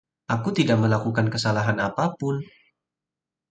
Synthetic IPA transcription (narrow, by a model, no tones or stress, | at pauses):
ʔakut̪idaʔ̚məlakukankəsalaɦanapapʊn